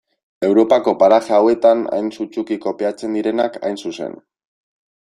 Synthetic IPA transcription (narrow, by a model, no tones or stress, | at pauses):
e̞wɾo̞pako̞paɾaxaawe̞t̪ana̰jnsut͡sukiko̞peat͡se̞nd̪iɾe̞naka̰jnsuse̞̰n